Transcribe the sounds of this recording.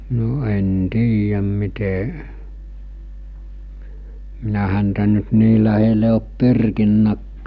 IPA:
no en tiːjæm mite minæ hæntæ nyt niː læhele op pyrkinːækːæː

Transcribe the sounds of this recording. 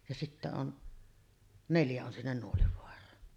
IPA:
jɑ sitːæ on neljæ on sinːen nuoliʋoɑrˑɑːn

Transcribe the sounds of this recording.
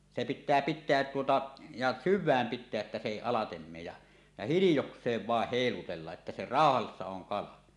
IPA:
se pitˑæː pitˑeæt tuotɑ jɑ syʋˑæːm pitˑeæʔ ʔetːæ se eˑi ɑlɑtem meːj jɑ jɑ hilijoksˑeːʋ ʋɑˑeh heˑilutelːɑʔ ʔetːæ se rɑˑohɑsːɑ oŋ kɑlɑ

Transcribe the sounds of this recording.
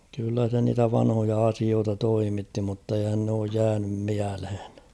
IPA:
kylːæ se niːtæ ʋɑnhojɑ ɑsioːtɑ toimitːi mutːeihæn n oːj jæːnym miælhe̥n̥

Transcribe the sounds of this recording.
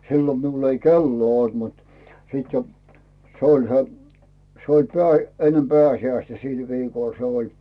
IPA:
silːo miul ei kelːoː olt mut sit jo se olʲ se se olʲ peæˑ enːem peæˑsiæistæ sil ʋiːkoˑl se olʲ

